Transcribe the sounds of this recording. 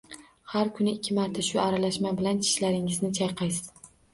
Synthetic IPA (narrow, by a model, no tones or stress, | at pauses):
haɾkʰʊnɪɪkʲʰːɪmaɾt̪ʰaʃʊaɾalaʃmabɪlant͡ʃʰɪ̥ʃlaɾɪŋɪznɪt͡ʃʰajqʰɑjsɪ̥z̥